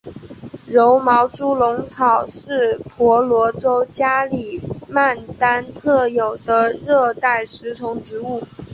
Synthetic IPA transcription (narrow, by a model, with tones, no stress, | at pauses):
ɻo˧˥ʊmɑ˧˥ʊʈ͡ʂu˥lʊ˧˥ŋt͡sʰɑ˨˩ʊʂɻ̩˥˩pʰwɔ˧˥lwɔ˧˥ʈ͡ʂo˥ʊt͡ɕja˥li˨˩ma˥˩nt̪a˥nt̪ʰɤ˥˩jo˨˩ʊd̪ə˦ɻɤ˥˧t̪a˥˩ɪʂɻ̩˧˥t͡sʰʊ˧˥ŋʈ͡ʂɻ̩˧˥u˥˩